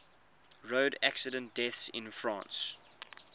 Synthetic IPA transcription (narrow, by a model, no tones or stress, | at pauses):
ɹoʊdæksədə̃nt̚d̥ɛθsɪ̰̃nfɹɑ̰̃ːns